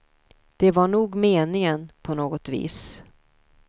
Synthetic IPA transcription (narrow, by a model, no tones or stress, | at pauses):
d̪̥ɛvaɳuːɡmeːnɪŋənpʰɔnoːɡɔt̪vḭːs